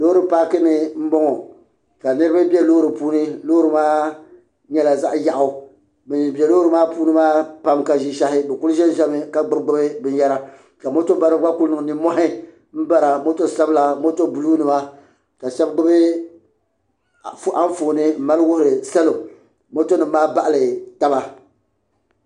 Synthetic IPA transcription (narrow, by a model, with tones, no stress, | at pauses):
lo˦ɾɨ˦paː˦kɨ˦nɨ˨m̩˦bɔ˦ŋɔ˨ | ka˨nɨ˦ɾɨ˦ba˦bjɛ˦loː˦ɾɨ˨puː˦nɨ˦loː˦ɾɨ˨˦maː˦ | ɲɛ˦la˨za˦ʔja˨ʔʊ˨ | bɨ˨bɛ˨loː˦ɾɨ˨˦maː˦puː˦nɨ˦maː˦pa˦mka˨ʒi˦ʃa˦hɪ˦bɛ˨ku˦lʒɛ˦n˦ʒɛ˦mɨ˨ka˨ɡ͡bɨ˦bɡ͡bɨ˦bɨ˦bɨ˦n˦jɛ˦ɾa˦ | ka˨mo˦to˦ba˦ɾɨ˦ɡ͡ba˦ku˦lnɨ˨ŋ˨nɨ˨mɔ˦hɪ˦ | m̩˦ba˦ɾa˨mo˦to˦˨sa˦bla˨mo˦to˦bu˨luː˦nɨ˨ma˦ | ka˨ʃɛ˦bɡ͡bɨ˦bɨ˦˨ | ʔa˦ɱ˦foː˨nɨ˦m̩˨ma˦lwʊ˦hʊ˨ɾɨ˨sa˦lo˨ | mo˦to˦nɨ˨˦maː˦ba˦˨ʔa˨lɨ˨ta˦ba˦